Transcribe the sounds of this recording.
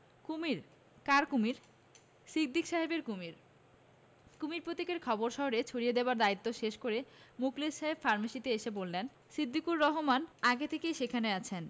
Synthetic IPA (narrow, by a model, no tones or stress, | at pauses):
kumiɾ | kaɾkumiɾ | sik̚d̪ikʃaɦebeɾkumiɾ | kumiɾpɾot̪ikeɾkʰɔboɾʃɔɦoɾet͡ɕʰoɾied̪eoaɾd̪ait̪ːoʃeʃkoɾemuklesʃaɦebfaɾmaʃit̪eeʃebolːen | sɾid̪ːikuɾːɔɦomanaɡet̪ʰekejʃekʰaneat͡ɕʰen